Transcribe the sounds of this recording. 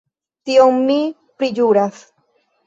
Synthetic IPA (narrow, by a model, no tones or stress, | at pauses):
t̪ioŋmi | pɾid͡ʒuɾas